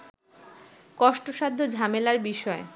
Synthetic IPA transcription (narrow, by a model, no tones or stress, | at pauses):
kɔʃʈoʃad̪ʱːod͡ʑʱamelaɾbiʃɔe